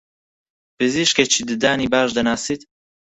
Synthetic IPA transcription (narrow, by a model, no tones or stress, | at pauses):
pɨziʃket͡ʃʰid̪ɨd̪aːnibaːʃd̪ɐnaːsit̪